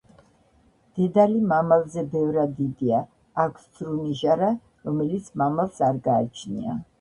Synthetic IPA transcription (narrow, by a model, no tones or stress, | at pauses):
d̪̥ɛd̪alimamalzɛbɛvɾad̪id̪iaː | kʷʰszɾuniʒaɾa | ɾɔmɛlit̪sʰmamalsaɾɡaːt͡ʃʰnḭa̰